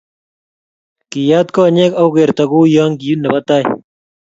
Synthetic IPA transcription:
kijaːt̪koɐneːkɐwɣeɾt̪ɐɡuːjaːŋɡijunːɐbɐt̪aːj

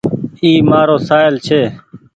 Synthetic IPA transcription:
iːmaːɾoːsaːjlt͡ʃʰeː

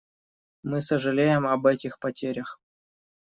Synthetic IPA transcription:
mɨsəʐɨlʲejɪmɐbɛtʲɪxpɐtʲeɾʲəx

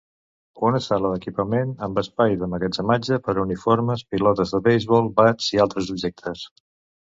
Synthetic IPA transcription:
unəsaləðəkipəmenəmbəspajðəməɣəd͡ʒəmad͡ʒəpəɾunifoɾməspilɔt̪əzðəβejzβɔlˠbaz̥ialˠt̪ɾəzubʒɛk̚t̪ʰəs

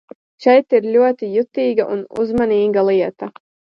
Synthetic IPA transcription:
ʃɛjt̪iɾlʲuɔt̪ijut̪iːɡaʔunṵzmaniːɡalˠiɛt̪ɐ

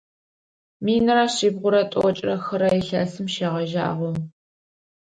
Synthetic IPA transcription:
miːnɨɾaɕiːbʁʷʊɾɐtʷʼɔ̰t͡ʃʼrɐxɐɾɐɪɬɐ̰ːsɨmʃeːʁɐʒa̰ːʁʷɔ

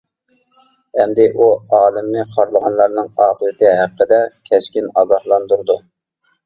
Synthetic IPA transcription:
ɛmd̪ɪʔuɑːlˠɪmnɪχɑɾlˠəʁɑnlˠɑɾnɨŋɑːqəd̪ɨt̪ɪɦæqːəd̪ɛkʲʰɛʃkʲinɑːɡɑhlˠɑnd̪uɾd̪u

